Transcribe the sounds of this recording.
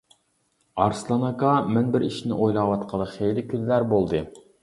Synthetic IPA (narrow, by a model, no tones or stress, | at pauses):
ɑɾslˠɑnɑkɑmɛnbɪɾiʃnɪ̰ʔojlˠɑːwɑt̪qʰəlˠəχejlɪkʲʰyzlæɾbolˠd̪ɨ